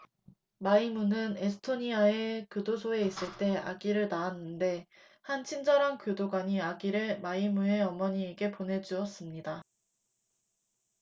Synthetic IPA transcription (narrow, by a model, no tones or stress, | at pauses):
maimunɯnesʰɯ̥tʰoɲiae̞kudosʰoe̞is͈ɯɭt͈e̞a̰ɡiɾɯɭnaanːɯnde̞ | hant͡ɕʰind͡ʑʌɾankodoɡwaɲiaɡiɾɯmaimue̞ʌmʌɲiːɡe̞pone̞d͡ʑuʌs͈ɯmɲida